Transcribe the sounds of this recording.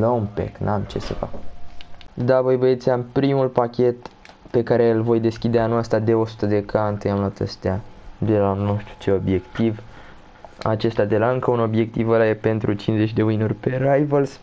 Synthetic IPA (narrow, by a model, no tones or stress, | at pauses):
ləumpe̞̰knʔamt͡ʃe̞se̞̰fa̰k | d̪avəjvəet̪seampɾimulpakʲe̞t̪ | pe̞kaɾe̞ɨlvo̞jd̪e̞skʲid̪eanuast̪ad̪e̞o̞su̥t̪əd̪e̞kʰant̪ejamloat̪ə̰st̪ead̪e̞lano̞ʃt̪ɾu̥t͡ʃe̞o̞bje̞kt̪iv | a̰t͡ʃe̞st̪ʲad̪e̞laɨŋkəuno̞bje̞k̚t̪ivəlajepe̞nt̪ɾut͡ʃinze̞t͡ʃʲd̪e̞mɨjnurʲpe̞ɾajvəls